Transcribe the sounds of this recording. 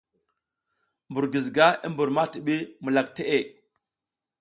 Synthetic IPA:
mbu˨ɾɡi˨zɡa˦i˦mbu˨ɾma˦ti˨ɓi˦mu˨la˨k̚te˦ʔe˦˨

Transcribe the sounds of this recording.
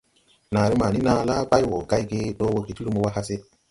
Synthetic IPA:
na˨ɾe˦maː˨ni˦na˦la˦ba˦jwo˨ɡa˦jɡe˦ɗo˦wo˦ke˨ti˦ɾu˦mo˨wa˦ɦa˦se˦

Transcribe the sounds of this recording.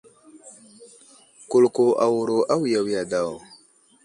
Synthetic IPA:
ku˨lko˨ʔa˨wu˨ɾo˨ʔa˦wja˨wja˨da˨w

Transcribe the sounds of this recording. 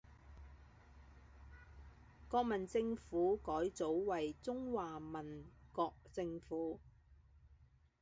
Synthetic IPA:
kɔː˧k̚mɐ˨˩nt͡sɪ˧ŋfuː˨˥kɔː˨˥jt͡so˨˥wwɐ˨jt͡sʊ˥ŋwaː˨mɐ˨nkɔː˧k̚t͡sɪ˧ŋfuː˨˥

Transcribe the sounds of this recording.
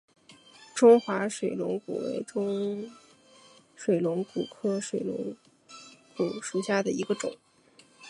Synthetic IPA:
ʈ͡ʂʊ˥ŋxwa˧˥ʂwe˨˩ɪlʊ˧˥ŋkṵ˨˩wḛ˧˥ɪʈ͡ʂʊ˥ŋ | ʂwe˨˩ɪlʊ˧˥ŋku˨˩kʰɤ˥ʂwe˨˩ɪlʊ̰˧˥ŋ | ku˨˩ʂu˨˩ɕja˥˩d̪ə˩i˧˥ɡə˧ʈ͡ʂʊ̰˨˩˦ŋ

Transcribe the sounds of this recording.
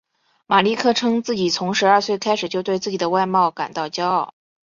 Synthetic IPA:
ma˨˩li˥˧kʰɤ˥˩ʈ͡ʂʰɤ˥ŋt͡sɹ̩˥˩t͡ɕi˨˩t͡sʰʊ˧˥ŋʂɻ̩˧˥ɐ˞˥˧swe˥˩ɪkʰa˥ɪʂɻ̩˨˩t͡ɕjo˥˧ʊt̪we˥˧ɪt͡sɹ̩˥˩t͡ɕi˨˩d̪ə˦wa˥˧ɪmɑ˥˩ʊka̰˨˩nt̪ɑ˥˩ʊt͡ɕjɑ˥ʊɑ˥˩ʊ

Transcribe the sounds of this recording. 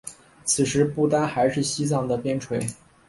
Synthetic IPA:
t͡sʰɹ̩˨˩ʂɻ̩˧˥pu˥˩t̪a˥nxa˧˥ɪʂɻ̩˥˩ɕi˥t͡sɑ˥˩ŋd̪ə˩pjɛ˥nʈ͡ʂʰwe˧˥ɪ

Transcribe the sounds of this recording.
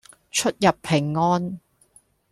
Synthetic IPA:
t͡ʃʰɵ˥t̚jɐ˨pʰːɪ˨˩ŋːɔː˥n

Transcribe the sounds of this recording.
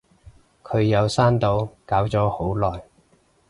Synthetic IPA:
kʰɵ˨˧ɥjɐ˨˧wsaː˥nt̪o˨˧wkaː˨˥wt͡sɔː˨˥ho˨˥wlɔː˨j

